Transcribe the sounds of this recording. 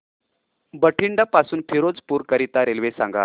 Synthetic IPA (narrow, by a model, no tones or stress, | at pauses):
bəʈʰiɳɖapasuːnpʰiɾod͡zpuːɾkəɾit̪aɾelʋesã̰ŋɡa̰